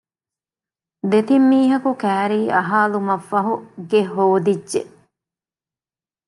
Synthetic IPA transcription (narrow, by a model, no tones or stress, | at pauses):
d̪et̪imːiːɦɐkukæːɾiːʔɐɦaːlumɐfːɐɦuɡeɦoːd̪idːʒḛ